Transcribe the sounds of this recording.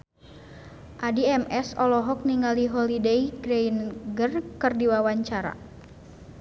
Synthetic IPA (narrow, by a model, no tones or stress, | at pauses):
ʔadiɛmɛsɔlɔɦɔk̚niŋaliɦɔlideiɡɾejnɡərkɨrdiwawaɲt͡ʃaɾa̰